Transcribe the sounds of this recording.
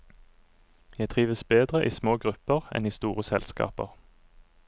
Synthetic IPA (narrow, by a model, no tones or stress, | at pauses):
jæɪt̪ʰʁiːʋəsbeːd̪ʁəʔiːsmoːɡʁʉpəʁɛ̰niːst̪uːʁəsɛlskɑ̰ːpə̰ʁ